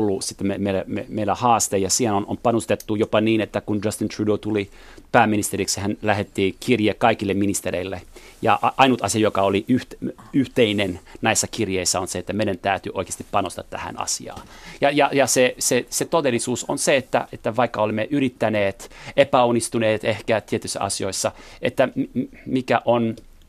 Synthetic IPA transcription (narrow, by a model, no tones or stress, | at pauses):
lːusit̪ːememeilæmemeilːæhɑːst̪ejɑsiːhenono̰mpɑnust̪et̪ːujopɑniːnet̪ːækund͡ʒɑst̪int̪ʰrudot̪uli | pæːmːinist̪eriksihænlæhet̪ːiːkʰirjekkɑikilːeminist̪eɾeilːe | jɑ̰ɑʔɑinut̪ɑsiɑjokɑoliʔyht̪ | yht̪einennæisːækirjeisːæonseet̪ːæmeiɾænt̪æyt̪yʔoikˑe̥st̪i̥ppɑnost̪ɑt̪t̪æ̰hæ̰nɑ̰sḭɑ̰ːjɑjɑjɑseseset̪od̪elːisuːso̰nseet̪ːæ̰et̪ːæʋɑikːɑolemːeʔyrit̪ːæneːt̪epæonːist̪uneːt̪ehkæt̪iet̪yisːæ̰ʔɑ̰sioisːɑḛt̪ːæmmikæʔon